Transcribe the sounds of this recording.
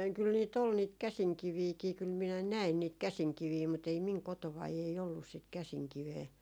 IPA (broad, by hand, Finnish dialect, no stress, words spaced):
kyl niːt ol niːt kæsiŋkiʋiːkiː kyl minæ næin niːt kæsiŋkiʋiː mut ei miŋ kotoʋɑi ei olːus sit kæsiŋkiʋeː